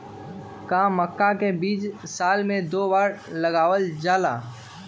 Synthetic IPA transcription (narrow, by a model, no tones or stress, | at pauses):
kaːməkːakebiːt͡ʃsaːlmẽd̪oːbaːɾlɐɡaːʋəld͡ʒaːla̰ː